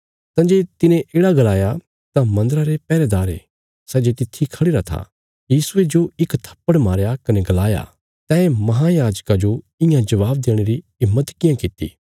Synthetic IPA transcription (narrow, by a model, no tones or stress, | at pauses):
t̪ãd͡ʒeːt̪ɪnẽʔeːɽaɡɐlaːja | t̪ãmɐ̃nd̪əɾaɾepɛːɾed̪aːɾḛ | sɛːd͡ʒet̪ɪt̪ʰːikʰɐɽɪːɾat̪ʰa̰ | jiːsued͡ʒoɪkt̪ʰɐ̥pːəɽmaːɾjakɐneɡɐlaːja̰ | t̪ɛ̃ːemɐɦajaːd͡ʒkad͡ʒo | ɪjãd͡ʒɐʋaːb̚d̪eːɽ̃eɾiɪmːət̪kɪjãkɪt̪ːḭ